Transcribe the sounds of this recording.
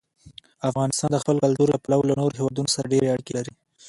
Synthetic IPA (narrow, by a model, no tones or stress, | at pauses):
afɣɑnɪst̪ɑnd̪əxpəlkalt̪uɾlapalawlanoɾohewɑd̪unosaɾaɖeɾeaɽkelaɾi